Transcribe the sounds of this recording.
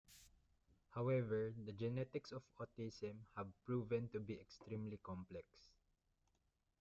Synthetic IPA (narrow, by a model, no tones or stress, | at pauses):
hawɛvəɹd̪ɐd͡ʒɛnɛt̪ɪksɔfɔt̪isɛ̃mhævpɹuvɛ̃nt̪ubiɛkst̪ɾĩmlikɔ̃mplɛks